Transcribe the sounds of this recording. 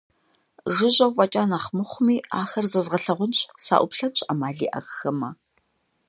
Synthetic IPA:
ʒɨʑɐwvʼɐt͡ʃʼaːnaːχmɨχʷʊmiːa̰ːxɐrzɐzʁɐɬɐʁʷʊnɕʼsa̰ːʔʷʊpɬɐnɕʼamaːɮḭːʔɐ̰xxɐmɐ

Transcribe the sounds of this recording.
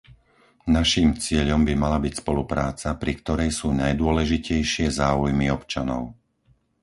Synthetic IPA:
naʃiːmt͡sɪɛʎɔmbimalabicspɔlupɾaːt͡sapɾikt̪ɔɾɛjsuːnajd̪ʊɔlɛʒicɛjʃɪɛzaːujmiɔpt͡ʃanɔ̰ʊ

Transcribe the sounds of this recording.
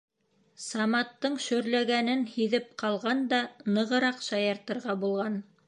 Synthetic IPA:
sɑmɑt̪ːɤɴʃɵ̆ɾlæɡænɘnhiðɘp̚qɑlˠʁɑnd̪ɑnɤ̆ʁɤ̆ɾɑqʃɑjɑɾt̪ɤ̆ɾʁɑbulˠʁɑn

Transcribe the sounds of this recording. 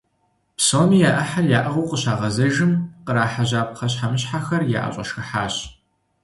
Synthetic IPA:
psoːmiːjaːʔɐħarjaːʔɐʁowqəɕaːʁɐzɐʒɨmqəɾaːħaʑaːp̚qʰɐɕħamɨɕħaxɐrja̰ːʔɐ̰ɕʼɐ̰ʃxɨħaːɕ

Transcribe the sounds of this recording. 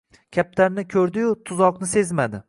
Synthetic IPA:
kʲʰap̚t̪ʰaɾnɪkʲʰɵɾd̪ɪjʊt̪ʰʊzɒqnɪse̞zmad̪ɪ

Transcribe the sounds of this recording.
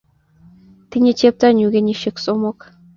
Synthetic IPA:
t̪inʲet͡ɕʲep̚t̪ɑnʲyɣʲenʲeʃɘ̆ksomŏk

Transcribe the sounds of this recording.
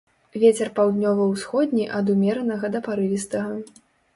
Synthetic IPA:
vʲet͡sʲɛrpawd̪nʲɔvɐwsxɔd̪ʲnʲiʔɐd̪umʲɛɾɐnɐɣɐd̪ɐpaɾɨvʲist̪ɐɣɐ

